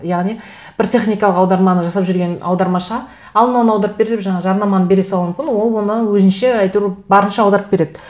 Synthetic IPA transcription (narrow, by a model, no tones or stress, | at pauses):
jɑʁnij | b̥ɪɾt̪ʲʰe̞χnʲijkɑlˠəqɑwd̪ɑɾmɑnəʒɑsɑpʒʏɾɡʲe̞nɑ̰wd̪ɑɾmɑʃɑ | ɑlˠənɑnɑwd̪ɑɾəp̚beɾed̪epʒɑɴɑʒɑɾnɑmɑnəbe̞ɾesɑlˠumɪmkʲɪnwo̞lˠwo̞nəwɵzɪnʃe̞ɑjt̪uɾbɑɾənʃɑɑwd̪ɑɾəp̚be̞ɾe̞d̪ɪ